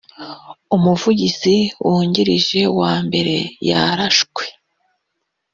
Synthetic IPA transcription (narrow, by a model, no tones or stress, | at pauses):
umuvuɟiziwuːɲɟiɾiʒe̞waːmbe̞ɾe̞̰ja̰ɾaʃkwe̞̥